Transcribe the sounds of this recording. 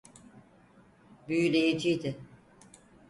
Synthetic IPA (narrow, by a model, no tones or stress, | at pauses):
byjylʲejed͡ʒijd̪ɪ